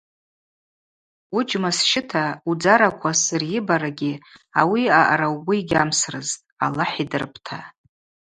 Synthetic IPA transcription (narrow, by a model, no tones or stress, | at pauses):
ʊd͡ʒmasʃɪtʰaud͡zaɾakʷʰasɨrjɪbaɾaɡʲiawiaʔaɾawɡʷʊiɡʲamsrɨz | a̰laħidɨrpʰʼtʰa